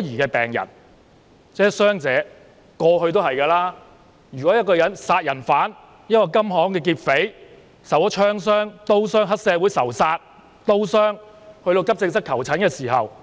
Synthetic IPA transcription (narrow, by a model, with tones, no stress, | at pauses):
ɔː˨˥jiː˨˩kɛː˧pɛː˨˩ŋjɐ̰˨˩n | t͡sɛː˨˥sœː˥ŋt͡sɛː˨˥ | kɔː˧ɦɵ˧ɥt̪o˥whɐ˨jkɛː˧laː˥ | jyː˨kɔː˨˥jɐ˥tkɔː˧jɐ˨˥nsaː˧t̚jɐ˨˩nfaː˨˥n | jɐ˥t̚kɔː˧kɐ˥mɦɔː˨˥ŋkɛː˧k̬iː˧t̚fe˨˥j | sɐ˨˩wɔ˨˥t͡ʃʰœː˥ŋs̬œː˥ŋt̪o˥wsœː˥ŋɦɐ˥t̚sɛː˨˧wuː˨˥jsɐ˨˩wsaː˧t̚ | t̪o˥wsœː˥ŋhɵ˧ɥt̪o˧wkɐ˥p̚t͡sɪ˧ŋsɐ˥kʰɐ˨˩wt͡sʰɐ˨˥nkɛː˧siː˨˩ɦɐ̰˨w